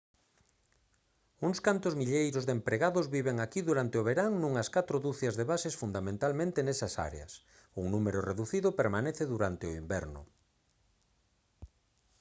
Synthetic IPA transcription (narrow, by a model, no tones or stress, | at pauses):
uŋskant̪ʊzmiʎejɾʊzðempɾeɣaðʊzβiβeŋakiðuɾant̪eoβ̞eɾaŋnũŋɐskat̪ɾʊðuθjazðeβasesfund̪amẽnt̪almẽnt̪enesɐsa̰ɾḛɐ̰s | uŋnumeɾʊreðuθiðʊpeɾmaneθɪðuɾant̪ɪʊimbɛɾnʊ̰